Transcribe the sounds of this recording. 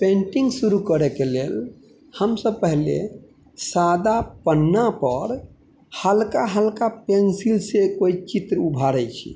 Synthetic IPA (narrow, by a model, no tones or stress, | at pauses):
pẽɳʈĩŋɡsuɾukəɾɛkelel | həmsəb̚pəɦlḛ | sad̪apənːapəɾ | həlkaɦəlkapensilsekoit͡ʃit̪ɾubʱaɾɛjt͡ʃʰḭ